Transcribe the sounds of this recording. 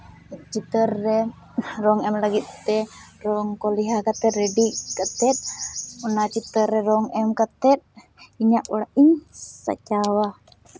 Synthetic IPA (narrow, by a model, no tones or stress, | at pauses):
t͡ʃit̪ərːɛ | ɾɔŋɛmlaɡit̪̚t̪ɛ | ɾɔŋkɔliɦakat̪ɛɾɛɖikat̪ɛt̪̚ɔnat͡ʃit̪əɾːɛɾɔŋɛmkat̪ɛt̪̚ | iɲaʔɔɽaʔiɲsa̰t͡ʃawa